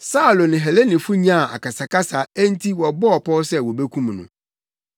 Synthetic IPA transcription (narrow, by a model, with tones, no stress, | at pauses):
sa˦˨lo˨nɪ̃˨ɦɛ˨le˦nɪ̃˨fu˦ɲã˦˨a̰˨ka˨sa˨ka˦sa˨æ˦n̩˦tʰi˦wɔ˨bɔ˦ɔ˨pʰɔ˦sɛ˦wɔ˨be˦kʰũ˦m˨nʊ̰̃˨